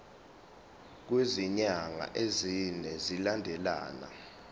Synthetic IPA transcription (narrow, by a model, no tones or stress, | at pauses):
k̬weziɲaŋa̰ʔezinɛzilandʱɛla̰ːna̰